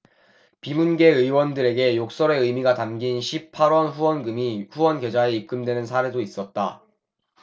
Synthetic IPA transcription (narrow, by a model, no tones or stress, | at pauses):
pimunɡe̞ɯiwʌndɯɾe̞ɡe̞jok̚s͈ʌɾe̞ɯjmiɡatamɡinɕʰippʰaɾwʌnɸuwʌnɡɯmiɸuwʌnɡjed͡ʑaeip̚k͈ɯmdwe̞nɯnsʰaɾe̞dois͈ʌt̚t͈a